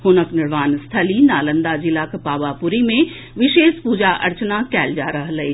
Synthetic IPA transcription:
ɦʊnəknɪɾʋaːnst̪ʰəlinaːlə̃nd̪ad͡ʑilakʰpaːʋapʊɾimẽ | ʋɪʃeːspuːd͡ʑaʔɐ̰ɾt͡ɕnakɛːld͡ʒaːɾɐɦlɐe

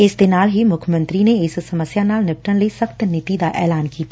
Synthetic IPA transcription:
ɪsd̪ɪnaːlɦimʊkʰjəmə̃nt̪ɾineɪssɐməsjanaːlnɪp̚ʈə̃nlesəxt̪nɪt̪id̪aʔɛːlaːnkiːt̪aː

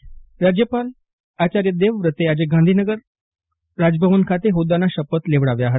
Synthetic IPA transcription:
ɾad͡ʑjəpal | at͡ɕaɾjəd̪eʋʋɾət̪ead͡ʑeɡãnd̪ʱinəɡəɾ | ɾad͡ʑbʱəʋənkʰat̪eɦod̪anaɕəpət̪leʋɽaʋjaːɦət̪

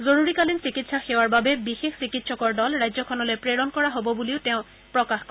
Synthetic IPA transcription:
zoɹuɹikalinsikitsaxewaɹbabɛbixexsikitsɔkɔɹdɔlɹajzɔkʰɔnɔlojpɹeɹɔnkɔɹaɦobɔbuliʊteʊ̃ | pɹɔkaxkɔ

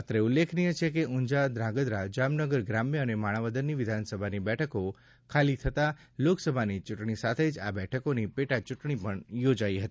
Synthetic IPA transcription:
at̪ɾeulːekʰnijət͡ʃʰek̬eʔuɲd͡ʒad̪ɾãɡəd̪ɾad͡ʒamnəɡəɾɡɾamjəənemaɽ̃aʋəd̪ənːiʋɪd̪ʱansəbʱanibɛʈʰəko | kʰalit̪ʰət̪a | loksəbʱanit͡ʃuʈɳ̃isat̪ʰed͡ʒa̰bɛʈʰəkonipeʈat͡ʃuʈɳ̃ipəɳjod͡ʒaiɦət̪i

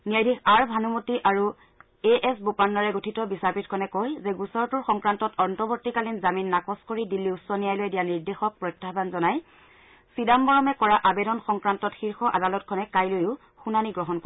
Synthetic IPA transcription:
niajdʱixaɹbʱanumutiʔaɹu | eʔɛsbopanːɔɹɛɡotʰitɔbisapitkʰɔnɛkojzɛɡusɔɹtuɹxɔŋkɹantɔtɔɹntʰɔbɔɹtikalinzaminːakɔskoɹidilːiusːɔnijajlojdijaniɹdexɔk̚pɹɔjtːabanzɔnaj | sidambɔɹɔmɛkɔɹaʔabedɔnxɔŋkɹantɔtxiɹxɔʔa̰dalɔtkʰɔnɛkajlojʊ | xunaniɡɹɔɦɔnkɔ

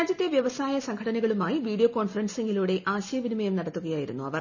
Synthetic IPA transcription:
aːd͡ʑjɐt̪ːe̞ʋjɐʋɐsaːjɐsɐŋkʰɐɽɐnɐɣɐɭumaːjiʋiːɽijoko̞ːnfɐrɐnse̞ŋɡiluːɽe̞ʔaːɕɐjɐʋinimɐjɐmnɐɽɐt̪ːuɣɐjaːjiɾunːṵɐ̰ʋɐr

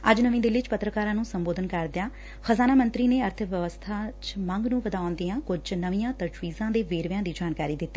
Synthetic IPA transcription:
əd͡ʒnəʋĩːd̪ɪlɪt͡ʃpət̪ɾəkaːɾãːnũːsəmboːd̪ənkəɾd̪ɪjaː | xəzaːnaːmə̃nt̪ɾiːneːəɾt̪ʰəʋjəʋəst̪ʰaːt͡ʃməŋɡnũːʋəd̪aːʊ̃nd̪iːãːkʊd͡ʒnəʋĩːjãːt̪əd͡ʒʋiːzãːd̪eːʋeːɾʋjãːd̪iːd͡ʒaːnkaːɾiːd̪ɪt̪ːiː

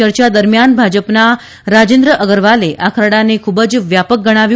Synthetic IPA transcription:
əɾt͡ʃad̪əɾmjanbʱad͡ʒəpna | ɾad͡ʒẽnd̪ɾəʔəɡəɾʋaleʔakʰɾəɽanekʰubəd͡ʒʋjapək̚ɡəɽ̃aʋj

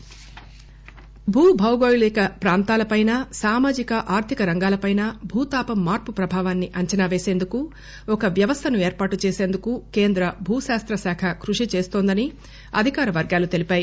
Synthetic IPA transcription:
bʱuːbʱɐwɡoːjulɛkɐpɾaːnt̪aːlɐpɐjnɐsaːmaːd͡ʒikɐʔaːɾt̪ʰikɐɾɐŋɡaːlɐpɐjnɐbʱuːt̪aːpɐmːaːɾpupɾɐbʱaːʋaːnːiʔɐɲt͡ʃɐnaːʋe̞ːse̞ːnd̪uku | ɔkɐʋjɐʋɐst̪ʰɐnue̞ːɾpaːʈut͡ʃeːse̞ːnd̪ukukeːnd̪ɾɐbʱuːʃaːst̪ɾɐsaːkʰɐkɾuʂit͡ʃeːst̪oːnd̪ɐni | ɐd̪ʱikaːɾɐʋɐɾɡaːlut̪e̞lipaːji

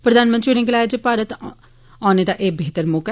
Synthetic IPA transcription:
pɾəd̪aːnmə̃nt̪ɾiːɽɪ̃ŋɡlaːed͡ʒepaːɾət̪ | aːneːd̪aːʔeːbʱeːt̪əɾmʊk

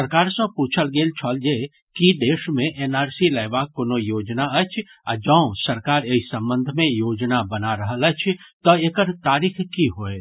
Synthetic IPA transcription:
səɾkaːɾsə̃puːt͡ʃʰəlɡeːlt͡ʃʰɔːld͡ʒe | kid̪eːʃmẽʔeːnaːɾsiləɪbaːkːonojoːd͡ʒnaət͡ʃʰ | a̰d͡ʒə̃səɾkaːɾeisə̃mbə̃nd̪ʱmẽjoːd͡ʒnabənaɾəɦələt͡ʃʰt̪ɔekəɾt̪aːɾiːkʰkiɦoːe

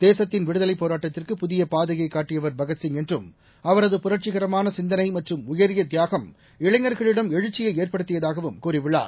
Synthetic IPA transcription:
d̪̥eːsɐt̪ːɪnʋɪɽɯðɐlɐɪpːoːɾaːʈːɐt̪ːɪrkɯpʊðɪjɐpaːðɐɣɐɪkːaːʈːɪjɐʋɐɾbɐɣɐsɪŋɛndrɯm | ɐʋɐɾɐðɯpʊɾɐɾt͡ʃɪɣɐɾɐmaːnɐsɪnd̪ɐnɐɪmɐʈrɯmʊjɐɾɪjɐd̪ɪjaːɣɐm | ɪɭɐŋːɐɾɣɐɭɪɽɐmɛɻɯt͡ʃːɪjɐɪeːrpɐɽɯt̪ːɯɪjɐðaːɣɐʋɯmkuːɾɪʋɪɭːa̰ːɾ

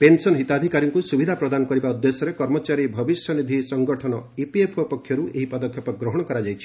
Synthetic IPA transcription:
pensɔnɦit̪ad̪ʱikaɾjɔŋkusubid̪ʱapɾɔd̪anɔkɔɾibaud̪jesɔɾekɔɾmɔt͡ʃaɾibʱɔbisjɔnid̪ʱisɔŋɡɔʈʰɔnɔipiepʰopɔkʰjɔɾueɦipɔd̪ɔkʰjɔpɔɡɾɔɦɔɽ̃ɔkɔɾad͡ʒajt͡ʃʰi̥

